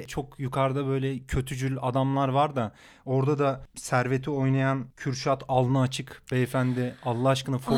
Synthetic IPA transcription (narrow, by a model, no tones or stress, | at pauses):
t͡ʃʰo̞kjukʰaɾd̪abø̞jlʲɛcʰø̞t̪ʰyd͡ʒylʲad̪amlˠaɾvaɾd̪a | o̞ɾd̪ad̪asæɾve̞t̪ʰio̞jnajancʰyɾʃat̪ʰalˠnɯːt͡ʃʰɯkbɛːfænd̪ɪalˠlˠaɦaʃkɯnɯf